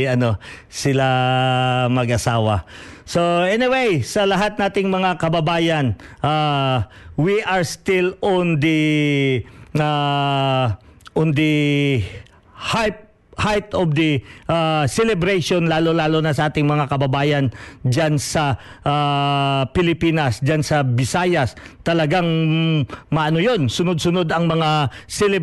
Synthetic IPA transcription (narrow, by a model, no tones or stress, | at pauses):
ɐno̞ | sɪla | mɐɡʔɐsaːwɐsoʔɛnɪwejsɐlɐɦat̪̚naːt̪ɪŋmɐŋakɐbɐbaːjɐnʔa | wiʔaɹst̪ɪlɔnd̪i | a | ʔʊnd̪i | h | hajt̪ɔvd̪ɐʔasɛlɛbɾɛjʃonlaːlolaːlonɐsɐʔaːt̪ɪŋmɐŋakɐbɐbaːjɐnd͡ʒansɐ | ʔapɪlɪpiːnɐsd͡ʒansɐbɪsajɐst̪ɐlɐɡaŋ | mɐʔɐnojo̞nsʊnod̪̚sʊnod̪ɐŋmɐŋasɛlɛ